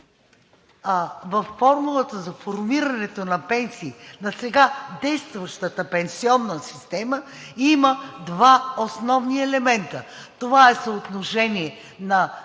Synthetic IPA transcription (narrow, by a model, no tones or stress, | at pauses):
vɐfːɔɾmulˠət̪əzɐfoɾmiɾɐnɛt̪onɐpɛnsiːnɐsɛɡad̪ɛjst̪vɐʃt̪ət̪əpɛnsiɔnːəsi̥st̪ɛmə | iməd̪vaosnɔvniɛlɛmɛnt̪ə | t̪ovaɛsəot̪noʃɛniɛ | nɐ